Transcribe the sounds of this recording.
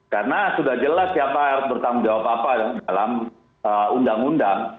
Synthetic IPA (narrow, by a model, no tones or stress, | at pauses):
karnasudahd͡ʒəlasːiapaaɾʊsbərt̪aŋuŋd͡ʒawapapadɔdalam | əundaŋundaŋ